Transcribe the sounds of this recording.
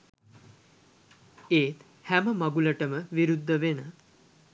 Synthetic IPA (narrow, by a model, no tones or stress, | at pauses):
eːt̪ | hæməmaɡuləʈəməʋiɾud̪ʱːəʋenə